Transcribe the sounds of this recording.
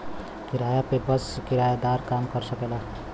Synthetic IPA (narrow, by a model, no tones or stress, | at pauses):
kiɾajapepʌskiɾajad̪aɾkamkʌɾsʌkelʌ